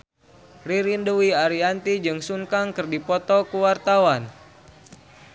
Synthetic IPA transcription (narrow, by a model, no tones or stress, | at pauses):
riɾinduwiaɾiant̪id͡ʒɨŋsuŋkaŋkɨrdipɔt̪ɔkuwart̪awan